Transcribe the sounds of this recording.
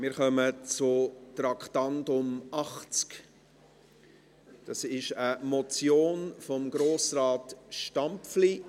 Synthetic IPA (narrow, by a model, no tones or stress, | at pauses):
mɪːɾχœmət͡sʊt̪ɾɑkχtɑndʊmɑχt͡sk | d̥ɑsɪʃəmɔt͡sjoːnfɔmɡ̥ɾoːsɾɑːtʃtɑmpfli